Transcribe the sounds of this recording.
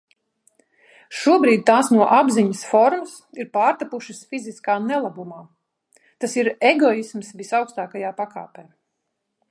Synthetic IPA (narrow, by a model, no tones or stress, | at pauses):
ʃuɔbɾiːd̪̚ʲt̪aːsnuɔʔabziɲɐsfɔɾmɐsiɾpaːɾt̪apuʃisfiziskaːnɛlˠabumaː | t̪asiɾeɡɔismsvisawkst̪aːkajaːpaka̰ːpɛː